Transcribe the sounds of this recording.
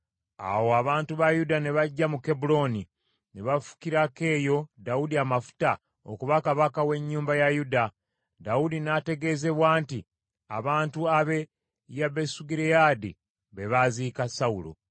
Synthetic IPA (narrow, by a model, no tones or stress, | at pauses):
a̰wo̞aβaːntuβajudane̞βaɟːamuke̞bulo̞ni | neβafu̥kiɾake̞ːjo̞daudiamafu̥ta | o̰kuβakaβakawe̞ɲːuːmbajajuda | daudinate̞ɡe̞ze̞βwaːnti | a̰βaːntuaβe̞ | jaβe̞suɡiɾejadḭ | βe̞βaziːkasaulo̰